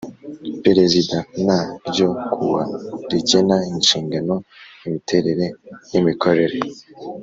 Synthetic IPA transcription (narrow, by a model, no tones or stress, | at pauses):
peɾezidanaɾɟokʰuβaɾiɟenainʃiːŋɡanoimitʰe̞ɾeɾejimikʰoɾe̞ɾe